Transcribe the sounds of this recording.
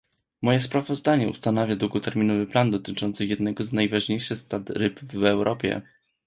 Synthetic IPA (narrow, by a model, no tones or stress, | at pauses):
mɔjɛspɾavɔzd̪aɲɛṵst̪anavʲjad̪wuɡɔt̪ɛɾmʲinɔvɘpland̪ɔt̪ɘt͡ʂɔnt̪sɘjɛd̪nɛɡɔznajvaʐɲejʂɘxst̪at̪ɾɘbvɛwɾʔɔpʲjɛ̰